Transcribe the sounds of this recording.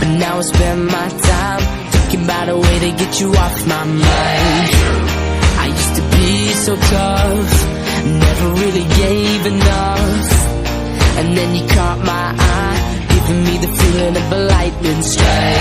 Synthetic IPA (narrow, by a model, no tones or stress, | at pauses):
b̥ʌtⁿnaʊətspɛ̃nmaɪtʰãɪ̃m | θɪ̃ŋkɪ̃ŋəbaʊɾəweɪɾɨɡɛt͡ʃɨɔfmaɪmãɪ̃n | ʔaɪjʉstɨbisoʊtʰʌ | nːɛvə˞ɹɪlˠiɡeɪvɨnʌ | f | ɨ̃nðɨ̃njɨkʰæ̃nmaɪʔaɪ | ɡ̥ɪvɪ̃ŋmiðɨfuɾɪ̃nʌvðəlaɪt̚mɨ̃nstɹ̥e